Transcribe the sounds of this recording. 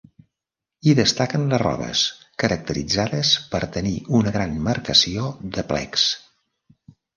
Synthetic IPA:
iðəst̪akənləzrɔ̰βə̰s | kəɾək̚t̪əɾḭd͡zaðəspəɾt̪əniunəɣɾanməɾkəsioðəplɛ̰ks

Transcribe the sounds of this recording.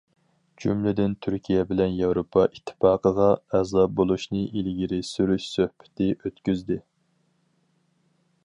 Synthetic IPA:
d͡ʒymlɪd̪ɪnt̪ʰyɾkʲʰijɛbɪlɛnjɑwɾopʰɑʔit̪ʰːɪ̥fɑːqəʁɑɛzɑp̚bolˠuʃnɨʔilɡʲiɾɪsyɾyʃsøhbɪ̥t̪ʰɪʔøt̪kʲyzd̪ɪ

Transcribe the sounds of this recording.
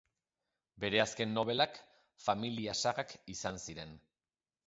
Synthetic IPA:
be̞ɾe̞aske̞nːo̞β̞e̞lak | familiasaɣakisansiɾe̞n

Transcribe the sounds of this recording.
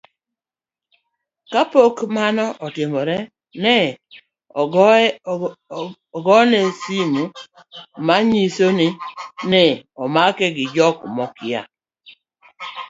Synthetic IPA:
kapokmanɔʔɔtɪmɔɾɛ | nɛ | ɡɔnesimu | maɲisoninɛɔmakɛɡɪd͡ʒɔkmɔkɪa̰

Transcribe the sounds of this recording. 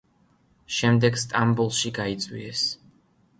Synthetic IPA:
ʃɛmd̪ɛɡst̪ʼambulˠʃiɡait̪sʼwḭɛs

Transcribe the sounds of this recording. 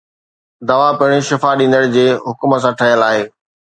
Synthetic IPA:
d̪ɐʋapɪɪ̃ɽ̃iʃɪfaɗĩːnd̪əɽɪ̆d͡ʑeːɦʊkməs̬ãʈʰɐɦijəlaːɦeː

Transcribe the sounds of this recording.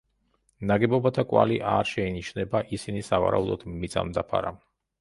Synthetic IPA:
naɡɛbɔbat̪ʰakʼwa̰liʔaɾʃɛiniʃnɛbaʔisinisava̰ɾa̰ud̪ɔd̪̥mit̪sʼa̰md̪apʰa̰ɾam

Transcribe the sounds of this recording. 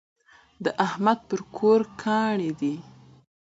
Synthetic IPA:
d̪əʔahmad̪̚pəɾkʰoɾkʰɑɳed̪i

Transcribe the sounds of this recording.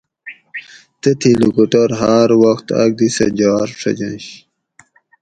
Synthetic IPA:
t̪ət̪ʰilukuʈɐɾɦaɾwɐxt̪ɐ̰ɡ̚d̪isɐ̰d͡ʑaːɾʂʰɐ̰d͡ʑɐ̰̃nɕ

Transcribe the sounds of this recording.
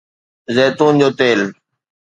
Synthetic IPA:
zeːt̪uːnd͡ʑoːt̪eːl

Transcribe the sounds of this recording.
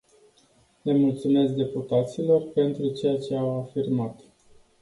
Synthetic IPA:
le̞mult̪sume̞sk̚d̪e̞put̪at̪silo̞rpe̞nt̪ɾut͡ʃe̞jat͡ʃe̞awafirmat̪

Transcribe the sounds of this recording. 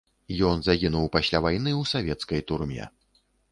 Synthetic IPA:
jɔnzaɣʲinuwpasʲlʲavajnɨwsavʲɛt̪skɐjt̪urmʲɛ̰

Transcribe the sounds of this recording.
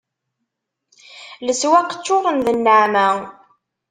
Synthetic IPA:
ləswæqːə̥t͡ʃːʊʁənðənːəʕmæ

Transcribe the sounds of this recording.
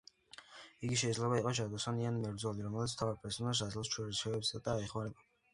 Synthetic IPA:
iɡiʃ̬ɛid̪zlɛbaiqʼɔʒad̪ɔsanianmɛvɾd̪zɔliɾɔmɛlit̪sʰt̪ʰavaɾpʼɛɾsɔnaʃ̬azilˠst͡ʃʰɔɾisɛɛbsad̪aːɛχmaɾɛba

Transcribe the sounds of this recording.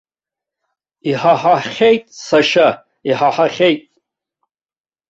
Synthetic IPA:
iħaħaχʲejtʼsaʃa | iħaħaχʲejtʼ

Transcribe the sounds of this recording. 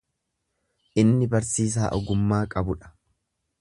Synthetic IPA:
ʔɪnːɪbɐɾsiːs̬aːʔɔɡʊmːaːkʼɐbʊᶑɐ̥

